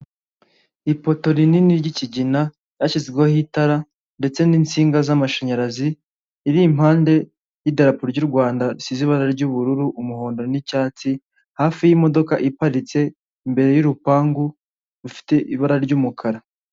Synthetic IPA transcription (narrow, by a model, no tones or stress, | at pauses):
ipo̞to̞ɾininiɾɟiciɟina | jaʃizɡweohitaɾa | nde̞t͡se̞niːnt͡siːŋɡazamaʃaɲaɾaziː | ɾim̥haːnde̞ | jidaɾapuɾɟuɾɡwaːndaɾisiziβaɾaɾɟuβuɾuɾuʔumuho̞ːndo̞ɾenicaːt͡si | haːfijimo̞do̞kaʔipaɾit͡se̞ | imbe̞ɾe̞juɾupaːŋɡu | ɾufi̥te̞ʔiβaɾaɾɟuːmukʰaɾa